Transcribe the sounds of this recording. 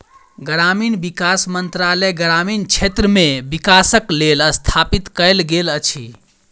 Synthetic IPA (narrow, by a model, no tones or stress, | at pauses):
ɡɾaminbikasmənt̪ɾaləjɡɾamint͡ʃʰet̪ɾəmebikasəkleləst̪ʰapit̪kəjlɡelət͡ʃʰi